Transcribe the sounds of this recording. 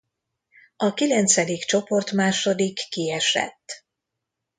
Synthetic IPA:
ɒkilɛnt̪sɛd̪ikt͡ʃo̞po̞rt̪maːʃo̞d̪ikːiɛʃɛ̰t̪ː

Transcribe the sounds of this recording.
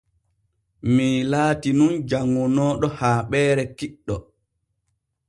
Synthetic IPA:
milaːtinund͡ʒaŋːunɔːɗɔhaːɓɛːɾɛkiɗːɔ

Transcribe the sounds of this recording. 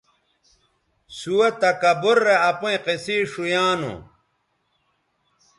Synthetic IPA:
suwet̪ɐkɐboɾːeɐpũẽqesiːʂujaːnṵ

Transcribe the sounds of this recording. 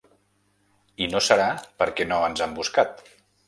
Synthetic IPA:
inosəɾapəɾkɛnoənzambuskat̪

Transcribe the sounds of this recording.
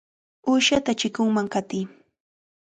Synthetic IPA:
uːʃat̪at͡ʃɪkʊŋmaŋkat̪ɪː

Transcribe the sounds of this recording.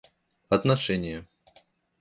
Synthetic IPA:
ɐt̪nɐʂɛnʲɪjə

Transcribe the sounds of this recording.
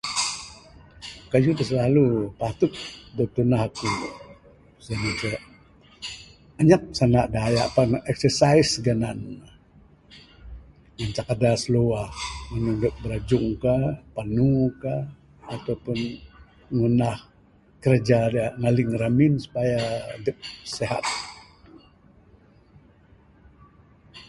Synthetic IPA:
kad͡ʒud̪əs̬əlalupat̪ut̪̚dot̪unahaku | saamat͡ʃə | aɲak̚sanaʔdaajaʔpanɛk̚səsaisɡanan | ŋant͡ʃakadasəloahŋənuŋdəp̚bəɾad͡ʒʊŋkapanukaː | t̪awpʊn | ŋunah | kəɾd͡ʒadŋaliŋɾamɪnsu̥pajadəp̚seɦa̰t̪̚

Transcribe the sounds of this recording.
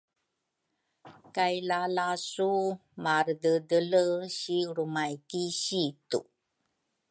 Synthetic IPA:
kajlalasumaɾdədələɕiɾumajkiɕitṵ

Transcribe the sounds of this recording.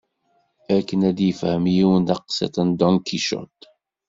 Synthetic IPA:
ækənæd̪jəfhəmjiwənd̪ɑqsæ̰t̪ənd̪ɔŋkʰiʃɔ̰t̪

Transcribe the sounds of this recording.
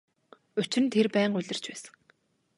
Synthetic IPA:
ɵt͡ɕɪ̆nt̪ʰerpæːɴɢʊɮʲɪ̆r̥t͡ɕpæːsə̥̆ŋ

